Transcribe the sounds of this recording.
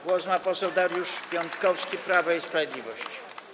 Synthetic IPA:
ɡwɔsmapɔsɛwd̪aɾjuʂpʲjɔnt̪kɔfskʲipɾavaispɾavʲjed̪lʲivɔɕt͡ɕ

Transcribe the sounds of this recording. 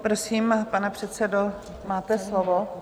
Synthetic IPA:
pɾosiːmpanɛpr̝̥ɛt̪sɛdo | maːt̪ɛslovo

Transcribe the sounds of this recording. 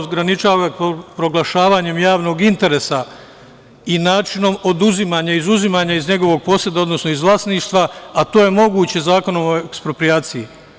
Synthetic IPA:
ɡɾanit͡ʃaːʋaopɾo̞ɡlˠaʃaːʋaːɲe̞mjaːʋno̞ɡint̪e̞ɾe̞sa | inaːt͡ʃino̞mo̞d̪uzimaːɲaizuzimaːɲaizɲe̞ɡo̞ʋo̞ɡ̚po̞sje̞d̪ao̞d̪nosno̞izʋlˠaːsniːʃt̪ʋaat̪o̞ːje̞mo̞ɡuːt͡ɕe̞zaːko̞no̞moekspɾo̞pɾiaːt̪siji

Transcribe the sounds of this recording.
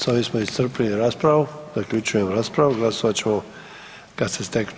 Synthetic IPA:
sɔʋismɔist̪əɾpliniɾaspɾawuzaklʲut͡ʃujɛmɾaːspɾawuɡlasɔʋat͡ʃɛmɔ | kasɛst̪ɛk

